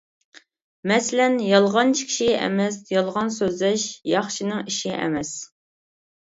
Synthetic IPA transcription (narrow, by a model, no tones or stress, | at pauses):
mɛsɪlɛnjɑlˠʁɑnt͡ʃʰi̥kʲʰʃiɛ̰mɛsjɑlˠʁɑnsøzlɛʃjɑχʃinɪŋiʃiʔɛ̰mɛs